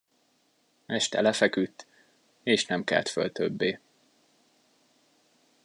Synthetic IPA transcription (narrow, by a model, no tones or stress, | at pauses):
ɛʃt̪ɛ̰lɛfɛkyt̪ː | eːʃnɛmkɛ̰lt̪fø̰lt̪øbːeː